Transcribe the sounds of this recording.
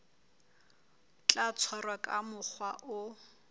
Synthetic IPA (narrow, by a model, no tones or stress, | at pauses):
t͡ɬʼat͡sʰɔrwakʼamʊk͡xʰwaʔʊ